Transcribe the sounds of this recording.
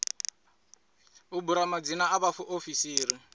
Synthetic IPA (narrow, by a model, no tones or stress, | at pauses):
ʊbuɾamad͡zinaabafʊʔofisiːɾi